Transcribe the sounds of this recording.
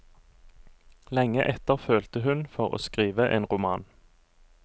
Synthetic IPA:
lɛŋːəʔɛt̪əʁføːlt̪əɦʉnfɔʁo̰ːskʁiːʋəʔeːnʁʊmɑːn

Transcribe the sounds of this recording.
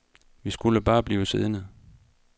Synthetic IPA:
ʋisɡ̥uləb̥ɑ̈ːb̥liːʊseðˠnəðˠ

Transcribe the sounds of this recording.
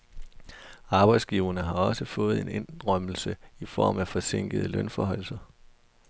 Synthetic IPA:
ɑ̈ːb̥ɑ̈ɪd̥sɡ̥iːʊɐnəɦɑ̈ɒ̽səfɔ̽ːð̞̩ˠe̝ne̝nʁœm̰l̩səifɒ̰ːmæfɒ̽se̝ŋ̰ɡ̥əð̩ˠəlœnfɒɦɒ̽l̰sɐ

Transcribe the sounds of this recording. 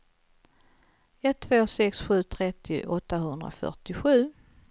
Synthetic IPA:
ɛt̪ʰːvoːsɛksɧʉ̟ːt̪ʰɾɛt̪ʰːɪ̰ʔɔt̪ːahɵnd̪ɾa̰fœ̰ʈɪɧʉ̟ː

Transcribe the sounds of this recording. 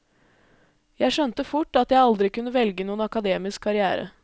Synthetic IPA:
jæɪʃœnt̪əfʊʈːɑt̪jæɪɑld̪ɾɪkʉnːəʋɛlɡənuːənɑkɑd̪eːmɪskʰːɑɾɪæ̰ːɾə̰

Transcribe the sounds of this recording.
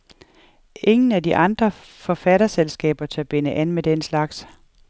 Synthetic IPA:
ʔe̝ŋn̩ædiʔɑ̈nd̥ʁɐ | fɒ̽fæɾɐselsɡ̥ɛ̰ːb̥ɐt͡sʰe̝æb̥e̝nəʔænmed̥enslɑ̈ɡ̥s

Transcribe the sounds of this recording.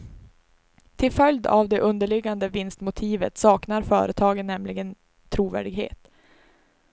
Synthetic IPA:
t̪ʰɪlfœljd̪a̰vd̪ɛʔɵnd̪əɭɪɡːand̪əvɪnst̪mʊt̪ʰiːvə̰t̪sɑːknaɾfœ̰ːɾət̪ʰɑːɡənːɛmlɪɡən | t̪ʰɾuːvæ̰ːɖɪɡɦḛːt̪

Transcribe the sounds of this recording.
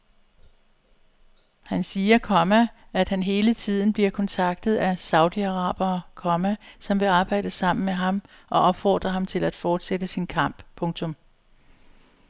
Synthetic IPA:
hænsiːɐkʰɒmææd̥hænɦe̝ːlət͡sʰið̞̰ˠn̩b̥liɐkʰɒ̽nt͡sʰɑ̈ɡ̥̚d̥ð̞̩ˠæsɑ̈ʊd̥iɑʁɑ̰̈ːb̥ɐkʰɒ̽mæsɒ̽mʋe̝ɑ̈ːb̥ɑ̈ɪ̰d̥əsɑ̈m̰n̩meɦɑ̈m | ʔɒ̽ʔɒ̽b̥fɒ̰ːd̥ʁɐɦɑ̈mt͡sʰe̝læd̥fɒːd̥sed̥əsinkʰɑ̈m̰b̥pʰɔ̽ŋt͡sʰɔ̽m

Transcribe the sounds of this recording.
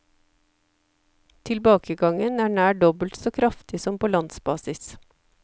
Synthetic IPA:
t̪ʰɪlbɑːkəɡɑŋənæːɳæːɖɔbəl̩t̪soːkʰɾɑft̪ɪsɔmpoːlɑnsbɑːsɪs

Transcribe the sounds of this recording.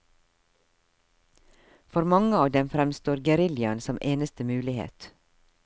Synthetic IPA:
fɔɾmɑŋəɑːʋd̪ɛmfɾɛmst̪oːɾɡəɾɪljɑnsɔmʔeːnəst̪əmʉːlɪhḛːt̪

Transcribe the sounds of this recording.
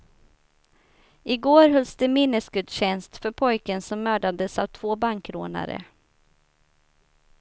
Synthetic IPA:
ɪɡoːɾɦɵlsd̪əmɪnːəsɡɵd̪ɕɛnst̪fœɾpʰɔjkənsɔmːœːɖad̪əsavt̪ʰvoːbaŋkɾoːna̰ɾə̰

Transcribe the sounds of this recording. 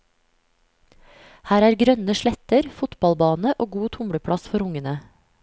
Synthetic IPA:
hæːɾæːɾɡɾœnəʃɭɛt̪əɾfʊt̪bɑlbɑːnəʔoːɡuːt̪ʰʊmɽəpʰɽɑsfɔɾʊŋənə

